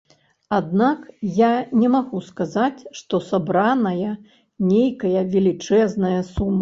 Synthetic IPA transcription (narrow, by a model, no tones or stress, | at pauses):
ad̪nakjanʲɛmaɣuskazat͡sʲʂt̪ɔsabɾanɐjɐ | nʲejkɐjɐvʲɛlʲit͡ʂɛznɐjɐsumɨ